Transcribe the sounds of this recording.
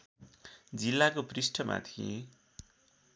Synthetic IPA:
d͡zilːakoprisʈʰʌmʔa̰t̪ʰie

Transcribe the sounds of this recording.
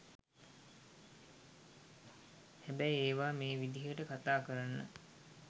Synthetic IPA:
hæbɛjeːʋaːmeːʋid̪iɦəʈəkat̪aːkəɾanːə̰

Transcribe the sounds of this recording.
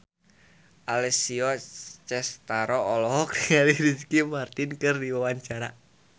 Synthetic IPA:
ʔalɛsiɔt͡ʃɛst̪aɾɔːlɔɦɔk̚diŋaliɾid͡ʒkimart̪inkɨrdiwawaɲt͡ʃaɾa

